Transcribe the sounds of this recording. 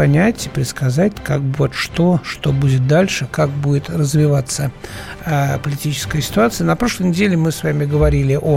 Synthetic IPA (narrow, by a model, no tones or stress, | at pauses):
ɐnʲætʲɪpɾʲɪt̪skɐzatʲkakvot̪ʂt̪o̞ʂt̪o̞budʲɪt̪̚d̪alʲʂɨkak̚budʲɪt̪rəzvʲɪvat̪sːəəpəlʲɪtʲit͡ɕɪ̥skəjəsʲɪ̥t̪ʊat̪sɨjənɐpɾo̞ʂlˠəjnʲɪdʲelʲɪmɨsvamʲɪɡəvɐɾʲilʲɪʔo